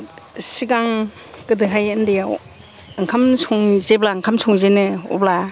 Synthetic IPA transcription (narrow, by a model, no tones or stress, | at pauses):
siɡaŋ | kɯdɯɦajendijaw | ɯŋkʰamsɔŋzeblaŋkʰamsɔŋzenɯɔ̰bla